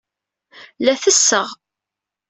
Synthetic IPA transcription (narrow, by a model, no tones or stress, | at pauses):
læθəsːəʁ